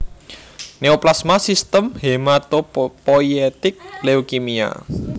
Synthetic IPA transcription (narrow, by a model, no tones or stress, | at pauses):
neoplasmasist̪əmhemat̪opojet̪ɪk̚leokimia̰